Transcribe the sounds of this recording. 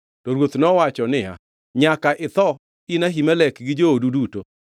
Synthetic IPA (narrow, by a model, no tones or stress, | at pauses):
tɔɾwot̪nɔwat͡ʃɔnɪa̰ | ɲakaʔɪt̪ɔ | inaɦimalɛkɡɪd͡ʒooduduto